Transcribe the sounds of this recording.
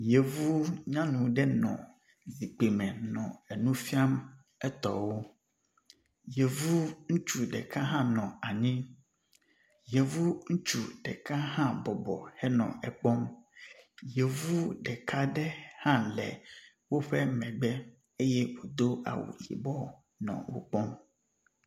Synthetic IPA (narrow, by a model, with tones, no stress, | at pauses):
je˨vu˦ɲã˦nũ˨ɖɛ˦nɔ̰̃˨ | zi˨k͡pe˨mɛ̃˨nɔ̃˨ɛ˨nũ˦fi˦a˦m | ɛ˦t̪ɔ̰˨wo˦ | je˨vu˦ŋũ˦t͡ʃu˨ɖɛ̰˨ka˦ɦã˦nɔ̃˨a˨ɲĩ˦ | je˨vu˦ŋ̩˦t͡ʃu˦ɖɛ˨ka˦ɦã˦bɔ˨bɔ̰˨hɛ˦nɔ̰̃˨ɛ˨k͡pɔ˦m | je˨vu˦ɖɛ˨kʰa˦ɖɛ˦hã˦lɛ̰˨ | wo˦ɸɛ˦mɛ̃˨ɡ͡bɛ˦ | e˦jɛ˦wo˨d̪o˦a̰˨wṵ˨jḭ˨bɔ˦ | nɔ̰̃˨wo̰˦k͡pɔ˦m